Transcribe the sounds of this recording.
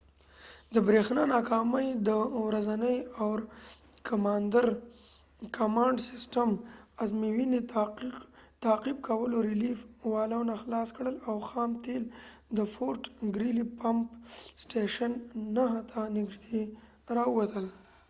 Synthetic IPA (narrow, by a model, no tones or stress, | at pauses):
d̪əbɾexnɑnɑkɑməjd̪əwɾazanəjawɾkʰamɑnd̪aɾ | kamɑɳɖsɪsʈamazmiwine | t̪aːqib̚kʰawəloɾɪlifwɑlawnaxlɑskɽəlawxɑːmt̪eld̪əfoɾʈɡɾilipampsʈeʃanːaɦat̪ʰanɪɡʒd̪e | ɾɑuwat̪əl